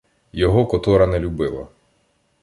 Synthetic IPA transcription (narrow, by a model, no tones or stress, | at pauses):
jɔɦɔkɔt̪ɔɾɐnɛlʲubɪlˠɐ̰